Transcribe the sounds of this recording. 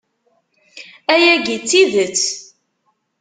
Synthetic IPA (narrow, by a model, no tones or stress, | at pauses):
æjæɡit͡sːiðət͡sː